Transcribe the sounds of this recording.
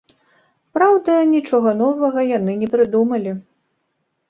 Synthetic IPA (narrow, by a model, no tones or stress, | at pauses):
pɾawd̪ɐnʲit͡ʂɔɣɐnɔvɐɣɐjanɨnʲɛpɾɨd̪umɐlʲi